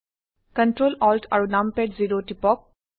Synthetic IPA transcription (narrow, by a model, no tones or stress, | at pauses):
kəɳʈɾoːlɔːlʈʰɐ̰ɹunampeʈziɾoʈipɔk̚